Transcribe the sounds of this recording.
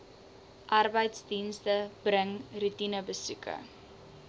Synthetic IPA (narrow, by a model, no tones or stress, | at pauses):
ʔɐrbəjtsdinstəb̥rəŋrutinəbəsʉkə̰